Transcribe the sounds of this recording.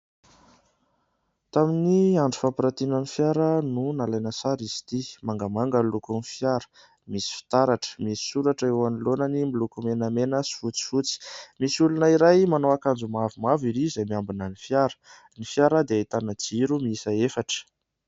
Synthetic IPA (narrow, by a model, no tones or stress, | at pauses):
t̪aminiaɳɖ͡ʐufapiɾat̪inənifjaɾənunalajnəsaɾisi̥t̪imaŋɡamaŋɡəlukunifjaɾə̥ | misi̥fi̥t̪aɾaʈ͡ʂə̥misi̥suɾaʈ͡ʂəewanilonənimilukumenəmenəsi̥fut͡si̥fut͡si̥misulunəiɾajmanoakand͡zumavumaviɾizajmiambinənifjaɾə̥ | nifijaɾəd̪eit̪anəd͡ziɾumiisaefaʈ͡ʂə̥